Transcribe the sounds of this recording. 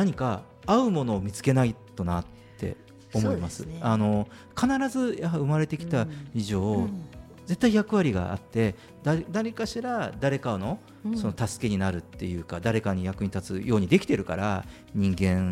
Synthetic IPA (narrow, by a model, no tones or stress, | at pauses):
naɲ̟ika | aɯ̟mo̞no̞ːmʲit͡sɨ̥ke̞nait̪o̞nat̪ʰːe̞̰ | o̞mo̞imasɨ̰ano̞ | kanaɾazɨjaɦaɯ̟maɾe̞t̪e̞kʲi̥t̪aiʑo̞ː | d͡ze̞t̪ːaijakɯ̟βaɾʲiɡa̰a̰t̪ːe̞ | d̪ad̪aɾʲikaɕiɾad̪aɾe̞kaono̞ | so̞no̞t̪asɨ̥ke̞ɲ̟inaɾɯ̟t̪ːe̞̰jɯ̟ːkad̪aɾe̞kaɲ̟ijakɯ̟ɲ̟it̪at͡sɨjʔo̞ːɲ̟id̪ekʲi̥t̪e̞ɾɯ̟ka̰ɾa̰ | ɲ̟ĩŋɡẽ̞ŋ